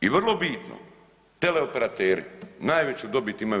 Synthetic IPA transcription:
iʋrlˠobiːt̪no̰ | t̪eleopeɾat̪eːɾḭnaːjʋet͡ɕud̪o̞bit̪ima

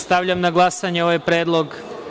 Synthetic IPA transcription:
st̪aʋʎamnaɡlˠasaɲeo̞ʋajpɾeːd̪lˠo̞ɡ

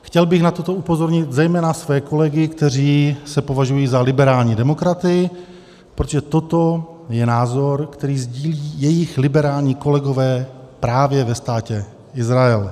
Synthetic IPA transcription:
xcɛlbɪxnat̪o̞t̪o̞upo̞zo̞ɾɲɪt̪zɛjmɛːnasvɛːko̞lɛɡɪkt̪ɛr̝iːsɛpo̞vaʒujiːzalɪbɛɾaːlɲiːdɛmo̞kɾat̪ɪjɪ | pɾot̪oʒɛt̪o̞t̪o̞ | jɛnaːzo̞ɾkt̪ɛɾiːzɟiːliːjɛjɪxlɪbɛɾaːlɲiːko̞lɛɡo̞vɛːpɾaːvjɛvɛst̪aːcɛ | ɪzɾaɛl

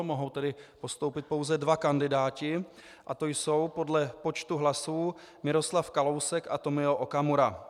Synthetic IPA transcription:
moɦo̞wt̪ɛdɪpo̞st̪o̞wpɪt̪̚po̞wzɛdvakandɪdaːcɪ | ʔat̪ojso̞wpo̞dlɛpo̞t͡ʃt̪uɦlasuː | mɪɾo̞slafkalo̞wsɛka̰t̪o̞mɪoʔokamuɾa

